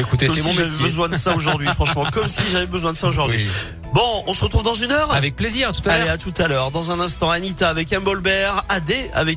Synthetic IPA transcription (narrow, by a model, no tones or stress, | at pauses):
ekut̪esɛmɔ̃metvɛjbəzwɛ̃d̪əsaoʒuʁd̪ɥifχɑ̃ʃmɑ̃kɔmsiʒavɛbəzwɛ̃d̪əsaoʒuʁd̪ɥi | bɔ̃ɔ̃səʁət̪χuvd̪ɑ̃zynœʁavɛk̚pleziʁat̪ut̪aeat̪ut̪alœʁd̪ɑ̃zɛ̃nɛ̃st̪ɑ̃anit̪aːvɛkɛ̃bɔlbɛʁad̪ea̰vɛk